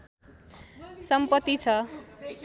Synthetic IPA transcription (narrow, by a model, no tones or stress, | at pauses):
sʌmpʌt̪ːit͡sʰʌ